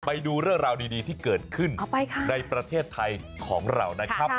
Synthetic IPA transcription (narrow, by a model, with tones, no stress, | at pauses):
pa˧jduː˧ɾɯ˥˩əŋɾaː˧wdiː˧diː˧t̪ʰiː˥˩kɤː˨˩t̪̚kʰɯ˥˩n˨˩wpa˧jkʰa˥na˧jpɾa˧t̪ʰeː˥˩t̪ʰːa˧j | kʰɔ̰ː˩˦ŋɾa̰˧wna˦˥kʰa˦˥p̚